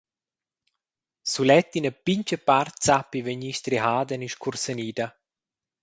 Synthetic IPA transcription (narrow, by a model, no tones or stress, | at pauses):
sulɛt̪ːinəpiɲt͡ʃəpart̪t͡sapːiveɲiʃt̪ɾiɦaːd̪əniʃkuɾsəniːd̪a